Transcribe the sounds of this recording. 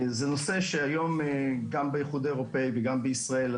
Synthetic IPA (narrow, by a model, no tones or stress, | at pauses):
zenoseʃeajo̞mɡambejeχud̪eeʁopejveɡambeisʁael